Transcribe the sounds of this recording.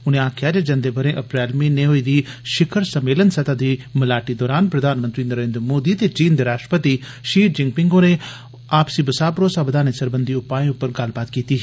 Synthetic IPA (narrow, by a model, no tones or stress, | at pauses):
ʊnẽaːkʰːɪjaːd͡ʒed͡ʒɐ̃nd̪eːbəɾẽʔɐpɾɛːlmĩnẽːɦoiːd̪iːʃɪkʰəɾsəmeːlənsɐt̪aːd̪iːməlaːʈid̪ɔːɾaːnpɾəd̪ʱaːnmənt̪ɾiːnəɾẽːnd̪ɾəmoːd̪iːt̪et͡ʃiːnd̪eːɾaːsʃʈɾəpət̪i | ʃiːɾd͡ʒɪ̃ŋɡ̚pɪ̃ŋɡoːne | aːpsibɐsaːpɾoːsaːbəd̪aːnesəɾbənd̪ʱiʊpːaːẽʊpːəɾɡɐlbaːt̪kiːt̪iː